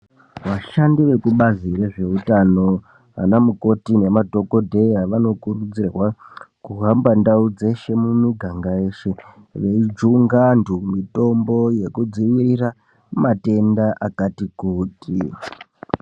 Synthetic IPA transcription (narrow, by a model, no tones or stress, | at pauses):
ʋaʃandiʋe̞kuɓazireʐe̞utano̞ | a̰namuko̞tine̞madʱo̞kodʱe̞jaʋano̞kurud͡zirwakuɦambandaud͡ze̞ʃe̞munuɡʱaŋɡaeʃe̞ | ʋeid͡ʒuŋɡandumito̞mbo̞je̞kud͡ziʋirira | mate̞ndaʔakatikuːti